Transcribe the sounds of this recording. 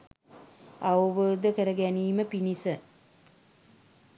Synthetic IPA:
auʋoːd̪əkəɾəɡæniːməpinisə

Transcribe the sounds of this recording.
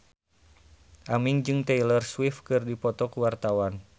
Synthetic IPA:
ʔamiŋd͡ʒɨŋt̪ɛilərswifkɨrdipɔt̪ɔkuwart̪awan

